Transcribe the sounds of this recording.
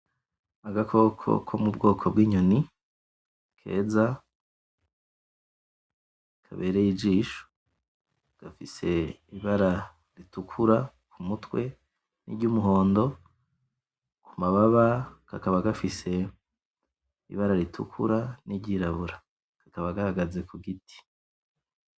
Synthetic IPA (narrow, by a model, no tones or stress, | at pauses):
aɡakʰo̞kʰo̞̰kʰo̞̰mub̚ɡo̞ːkʰobɡiːɲoni | kʰe̞̰ːza | kʰaβe̞ːɾejid͡ʒiːʃo̥ | ɡ̥afise̞iβaɾa | ɾitukʰuɾa | kʰumutwe̞ | nḭɾɟumuɦo̞ːndo̞ | kumaβaβakakaβaɡafise̞ | ḭβaɾaɾitʰṵkʰṵɾaniɟiːɾaβuɾa | kʰḁkaβaɡahaɡaze̞kuɡitʰi̥